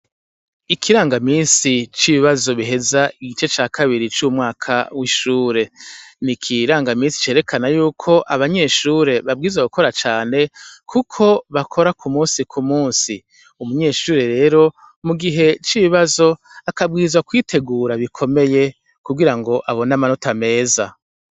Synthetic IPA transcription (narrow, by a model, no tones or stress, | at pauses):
ikʰiɾaːŋɡamiːnsit͡ʃiβiβazo̞βiɦe̞zaiɡit͡ʃe̞t͡ʃaːkʰaβiɾit͡ʃumŋaːkʰa̰wiʃuːɾe̞nikʰiɾaːŋɡamiːnsi̥t͡ʃe̞ːɾe̞kʰanajuːkʰo̞ʔaβaɲe̞ʃuːɾe̞βabɡiːzwaɡukʰo̞ɾat͡ʃaːne̞kʰukʰo̞βakʰo̞ɾakʰumuːnsikʰumuːnsi | umuɲe̞ːʃuːɾe̞ɾe̞ːɾo̞ | muɡiɦe̞t͡ʃiβiβazo̞ | akab̚ɡiːzwakwiːtʰe̞ɡuːɾaβikʰo̞me̞je̞ | kubɡiɾaŋɡo̞ʔaβo̞namanotame̞ːza